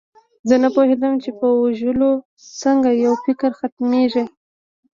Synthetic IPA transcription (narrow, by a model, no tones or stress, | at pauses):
zənapohed̪əmt͡ʃepəuʒəlo | səŋɡajawfɪkɾxat̪meʐi